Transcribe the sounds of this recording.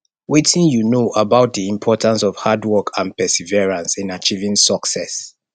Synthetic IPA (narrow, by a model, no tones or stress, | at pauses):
wetĩnjunoʔabaʊt̚ðiĩmpʰɔtãns̬ɔv̥hadwɔkʰãnpɛsivɛɹãnsĩnat͡ʃivĩŋsɔksɛ̰s